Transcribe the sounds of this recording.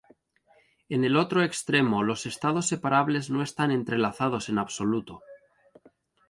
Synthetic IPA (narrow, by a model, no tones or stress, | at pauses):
e̞ne̞lo̞t̪ɾoe̞kst̪ɾe̞molose̞st̪að̞o̞sːe̞paɾaβle̞zno̞est̪anẽ̞nt̪ɾe̞laθað̞o̞se̞naβso̞lut̪o